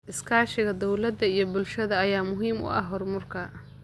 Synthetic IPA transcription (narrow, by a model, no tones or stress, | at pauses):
ʔɪskʰaːʃɪɣɐd̪ɔwlɐd̪ːɐijɞbʊlʃɐðɐːjaːmʊɦiːmʊ̰ʔɐ̰ɦɦɔrmʊrkʰɐ